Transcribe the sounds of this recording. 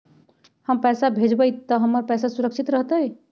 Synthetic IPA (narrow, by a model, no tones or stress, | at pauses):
həmpɛːsabʱed͡ʒbəjt̪əɦəmːəɾpɛsasuɾəkʃʰit̪ɾəɦt̪əj